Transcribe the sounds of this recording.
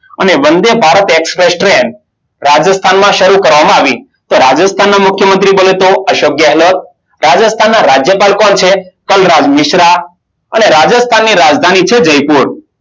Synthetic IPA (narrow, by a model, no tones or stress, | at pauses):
əneʋənd̪ebʱaɾət̪ekspɾesʈɾeɳɖ | ɾad͡ʒəst̪ʰanmãʃəɾukəɾʋamãaʋi | t̪oɾad͡ʒəst̪ʰanːamʊkʰjəmənt̪ɾibəlet̪oəʃokjəɦlot̪̚ | ɾad͡ʒəst̪ʰanːaɾad͡ʒjəpalkɔnt͡ʃʰekəlɾad͡ʒmɪʃɾa | əneɾad͡ʒəst̪ʰanːiɾad͡ʒd̪ʱanit͡ʃʰed͡ʒəjpuɾ